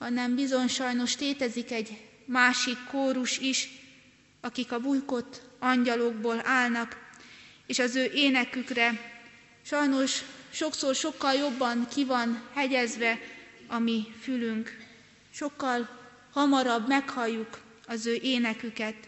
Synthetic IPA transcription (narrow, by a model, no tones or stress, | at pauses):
hɒnɛmbizo̞ɲʃɒjno̞ʃleːt̪ɛzikɛɟ | maːʃikːoːɾuʃiʃ | ɒkikɒbujkot̪ːɒɲɟɒloɡboːlaːlnɒk | eːʃɒzøːʔeːnɛkykrɛ | ʃɒjno̞ʃʃo̞ksoːrʃo̞kːɒljo̞bːɒnkivɒnhɛɟɛzʋɛɒmifylyŋk | ʃo̞kːɒl | hɒmɒɾɒbmɛkhɒjːuk | ɒzøːʔeːnɛkykɛt̪